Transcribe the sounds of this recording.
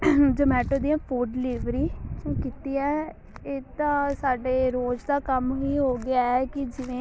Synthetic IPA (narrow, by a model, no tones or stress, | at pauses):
d͡ʒoːmɛːʈoːd̪iːɛ̃ːpʰuːɖliːʋɾiːsõːkɪt̪iːɛ̃ː | eːt̪ãːsaːɖeːɾoːd͡ʒd̪aːkəmɦiːɦoːɡɪaːɛːkɪd͡ʒɪʋẽː